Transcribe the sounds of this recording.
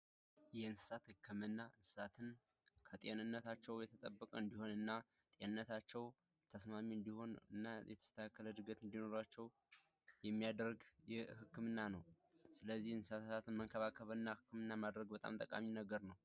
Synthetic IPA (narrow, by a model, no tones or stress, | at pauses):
jɛɨnsɨ̥sat̪hɨkʰːɨmɨnːaɨnsɨ̥sat̪ʰɨn | kʰət̪ʼenɨnːət̪at͡ʃːɛwjɛt̪ʰət̪ʼəbːəkʼəɨnd̪iho̞nɨnːa | t̪ʼenɨnːət̪at͡ʃːɛw | t̪ʰəsmamiɨnd̪iho̞nɨ̰nːajɛ̰t̪ʰə̥st̪ʰakːələd̪ɨɡət̪ɨnd̪ino̞ɾat͡ʃːɛw | jɛmːijad̪ɾɡjɛhɨkːɨmɨnːanəw | sɨləzːihɨnsɨsat̪ʰsat̪ʰɨnməŋkʰəβakʰːəβəɨnːahɨkʰːɨmɨnːamad̪ɾəɡbət̪ʼa̰mt̪ʼəkʼa̰minəɡəɾnəw